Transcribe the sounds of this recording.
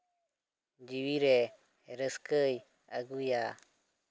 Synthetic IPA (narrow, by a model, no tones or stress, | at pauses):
d͡ʒiwiɾe | ɾəskəj | aɡuja